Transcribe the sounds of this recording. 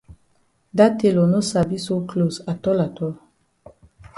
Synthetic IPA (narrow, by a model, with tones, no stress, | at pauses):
da˦te˨lɔ˨no˦sa˨bi˦so˦klo˨sa˨tɔ˦la˨tɔ˦